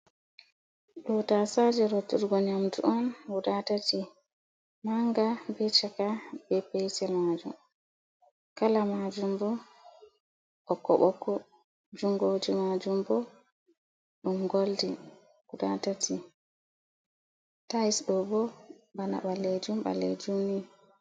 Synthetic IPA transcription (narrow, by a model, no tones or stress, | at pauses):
ɗɔtasad͡ʒɛɾɔtːuɾɡɔɲamtṵʔɔnwudatati | maŋɡabɛt͡ʃakabɛpɛjsɛmad͡ʒṵm | kalamad͡ʒumbɔ | ʔɔkːɔ̰ɓɔkːɔ | d͡ʒuŋɡod͡ʒimad͡ʒumbɔ | ɗumɡoldi | wudatatʰi | taisɗɔbɔ | bana̰ɓaled͡ʒumɓa̰lḛd͡ʒumni